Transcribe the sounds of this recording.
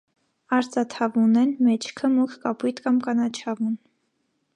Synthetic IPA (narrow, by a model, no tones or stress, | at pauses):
ɑɾt͡sɑt̪ʰɑvunɛnmɛt͡ʃʰkʰəmukʰkɑput̪kɑmkɑnɑt͡ʃʰɑvun